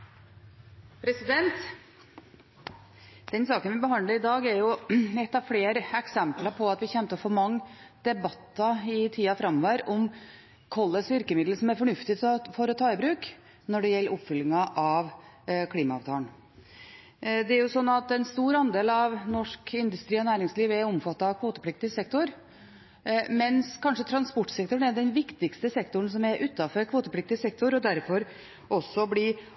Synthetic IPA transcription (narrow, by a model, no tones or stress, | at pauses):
pʰɾɛsɪd̪ɛnt̪ | d̪̥ɛnsɑːkənʋɪbəɦɑndləɾɪd̪ɑːɡæɾjʊɛt̪ːɑʋfleːɾəɛksɛmpləɾpʰɔɑt̪ʋɪçɛnt̪əfɔɾmɑŋː | d̪̥ɛbɑt̪ːɑɪt̪ʰiːɑfɾɑmɔʋæɾɔm | kʰɔlːəsʋʏɾkəmɪd̪l̩sɔmæɾfɔɳʉft̪ɪt̪ʰɔfoːɾɔt̪ʰɑːɪbɾʉːk | nɔɖɛjɛlːəʔʊpːfʏlɪŋɑʔɑʋ | kʰliːmɑɑʋt̪ʰɑːn | d̪ɛæɾjʊsɔnːɑt̪ɛnst̪uːɾɑnd̪eːlɑʋnɔʂkɪnd̪ʉst̪ɾiːɔnæːɾɪŋsliːʋɛɾʊmfɑt̪ːɑɑʋkʰʋoːt̪əpʰlɪk̚t̪ɪsɛk̚t̪ʊɾ | mɛnskʰɑnʂət̪ʰɾɑnspɔʈːsɛkt̪ʊɳɛd̪ɛnʋɪkt̪ɪkst̪əsɛkt̪ʊɳ̩sɔmɛɾʔʉːt̪ːɑfɔɾkʰʋoːt̪əpʰlɪk̚t̪ɪsɛkt̪ʊɾɔd̪æɾfɔɾ | ʔɔsːɔblɪ